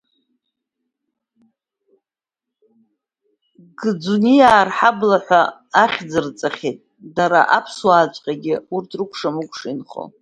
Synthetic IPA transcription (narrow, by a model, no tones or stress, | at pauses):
ɡɨd͡zunijaːrħablaħʷaaχʲd͡zɨrt͡sʼaχʲetʼ | daɾa̰ʔapʰswaːt͡ʃʷʼqʲʼaɡʲɪurtʰrɨkʷʰʼʂamɨkʷʼʂinχo̰